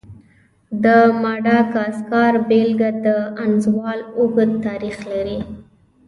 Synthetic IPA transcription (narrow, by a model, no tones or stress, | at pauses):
d̪əmɑɖɑkɑskɑɾbelɡad̪əanzwɑlʊɡəd̪t̪ɑɾixlaɾi